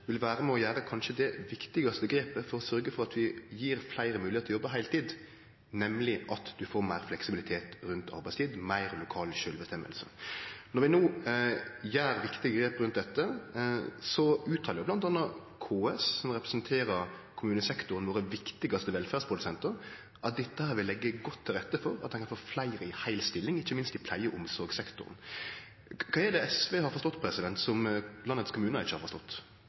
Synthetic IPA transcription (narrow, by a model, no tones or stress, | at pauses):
ʋɪlʋæːɾəmɛɔjæːɾəkʰɑnʃəd̪ɛʋɪkt̪ɪɡɑst̪əɡɾeːpəfɔɾɔsœɾɡəfɔʁɑt̪ʋɪjiːɾflæɪɾəmʉːlɪet̪ʰlɔjɔbːəɦæɪlt̪ʰiːd̪ | nɛmlɪʔɑt̪d̪̥ʉfoːɾmæɪɾflɛksɪbɪlɪt̪ʰeːt̪ɾʉnt̪ʰɑ̰ɾbæɪst̪iːd̪mæɪɾlʊkʰɑːlʃøːlbəst̪ɛmːə̰lsənɔɾʋɪnoː | jæːɾʋɪkt̪ɪɡəɡɾeːpɾʉnt̪̚d̪ɛt̪ːə | sɔʉːt̪ʰɑːɾjɪblɑnt̪ɑnːɑkʰoːɛssɔmʁɛpɾɛsənt̪ʰeːɾəɾkʰʊmʉːnəsɛkt̪ʊɾənʋoːɾəʋɪkt̪ɪɡɑst̪əʋɛlfæːʁspʰɾʊd̪ʉsɛnt̪əɾ | ʔɑt̪̚d̪ɛt̪ːəhæːɾʋɪlːɛɡːəɡɔt̪ʰːɪlɾɛt̪ːəfɔɾɑt̪̚ɛnkʰɑnfoːflæɪɾɪhæɪlst̪ɪlːɪŋɪçːəmɪnst̪ɪpʰlæɪəʔʊmsɔɾɡsɛkt̪ʊ̰ɾn | kʰɑːɛd̪ɛɛsʋeːhɑɾfɔʁst̪ɔt̪ːpʰɾɛsɪd̪ɛnt̪sɔmlɑnːət̪skʰʊmʉːnəɪ̰çːəhɑɾfɔst̪ɔt̪ː